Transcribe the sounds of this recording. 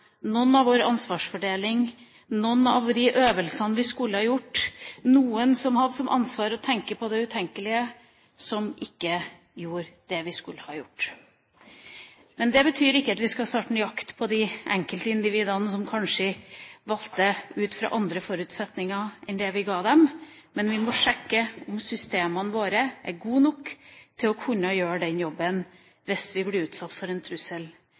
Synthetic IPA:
nɔnːɑʋoːɾɑnsʋɑːʂfɔɖeːlɪŋ | nɔnːɑ̰ʋd̪ɪʔøːʋəlsənəʋɪskʉlːəhɑjʊʈːnuːənsɔmhɑd̪ːəsɔmʔɑ̰nsʋɑːɾɔt̪ʰɛŋkəpʰɔd̪ɛʉt̪ʰɛŋkəlɪə | sɔmʔɪkːə | juːɾd̪̥ɛʋɪskʉlːəhɑjʊʈː | mɛnd̪ɛbət̪ʰyːɾɪkːəɑt̪ʋɪskɑst̪ɑːʈn̩jɑkt̪pʰɔd̪ɪʔɛŋkəlt̪əɪnd̪ɪʋiːd̪ɑnəsɔmkʰɑnʂəʋɑlt̪əʉːt̪fɾɑ̰ːʔɑnd̪ɾəfɔɾʉːt̪sɛt̪nɪŋɑʔɛnd̪ɛʋɪɡɑːd̪ɛm | mɛnʋɪmɔʂɛkːəʊmsʏst̪eːmɑnəʋoːɾəʔæ̰ɡuːnɔkːt̪ʰɪlɔkʰʉnːəjøːɖɛnjɔbːən | ʋɪsʋɪblɛʉːt̪sɑt̪ːfɔɾɛnt̪ʰɾʉsəl

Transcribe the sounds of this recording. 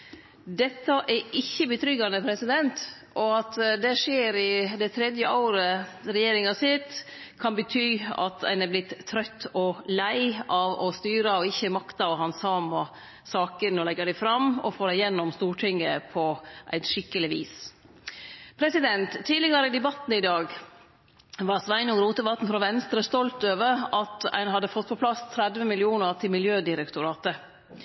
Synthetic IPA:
d̪ɛt̪ːɑʔɛɪçːəbət̪ʰɾʏɡɑnəpʰɾɛsɪd̪ɛnt̪ | ʔɔɑt̪d̪ɛʂeːɾɪd̪ɛt̪ʰɾɛd̪jəʔoːɾəɾɛjeːɾɪŋɑsɪt̪ | kʰɑnbət̪ʰyːɑ̰t̪æ̰ɪnɛblɪt̪ʰːɾœt̪ːɔlæɪɑʋɔst̪yːɾəɔɪçːəmɑkt̪ɑʋɦɑnsɑːmɑ | sɑːkənɔlɛɡəɾæɪfɾɑmɔ̰foːɾæɪjɛnːɔmst̪uːʈʰɪŋːəpʰɔʔæ̰ɪt̪ʂɪkːəlɪʋiːs | pʰɾɛsɪd̪ɛnt̪ʰːiːdlɪɡɑɾəɪd̪ɛbɑt̪n̩ɪd̪ɑːɡ | ʋɑɾsʋæɪnɔɡɾuːt̪əʋɑt̪n̩fɾɔʋɛnst̪ɾəst̪ɔlt̪øːʋəɾɑt̪æ̰ɪnɦɑd̪ːəfɔt̪̚ːpʰɔpʰlɑst̪ʰɾæd̪ʋəmɪlɪuːnəɾt̪ʰɪlmɪljøːd̪ɪɾɛkt̪ʊɾɑːt̪ə

